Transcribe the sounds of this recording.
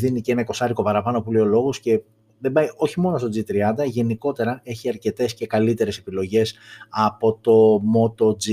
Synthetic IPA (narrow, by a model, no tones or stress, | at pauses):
ðinicee̞nɐko̞sɐɾiko̞pɐɾɐpɐno̞puleo̞lo̞ɣosce̞ | ðe̞bɐjo̞çimo̞no̞st̪o̞d͡zit̪ɾiɐnd̪ɐʝe̞niko̞t̪e̞ɾɐe̞çiɐɾce̞t̪e̞sce̞kɐlit̪e̞ɾe̞sepilo̞ʝe̞sɐpo̞t̪o̞mo̞t̪o̞d͡zi